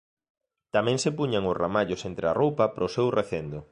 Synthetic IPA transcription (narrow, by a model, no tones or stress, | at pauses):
t̪amɛ̃ŋsepuɲaŋʊzramaʎʊsent̪ɾearowpɐpɾʔosewreθend̪ʊ